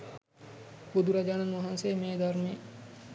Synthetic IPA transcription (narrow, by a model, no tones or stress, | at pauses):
bud̪uɾad͡ʒaːnɐnʋɐɦanseːmeːd̪aɾme